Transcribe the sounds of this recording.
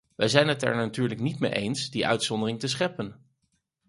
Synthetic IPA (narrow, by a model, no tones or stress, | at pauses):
ʋɛjzɛjnɦətɛ̰ɹnatyːɹləknitmejʔejnsdiʔœ̰ɥtsɔndərɪŋtəs̬χɛpːən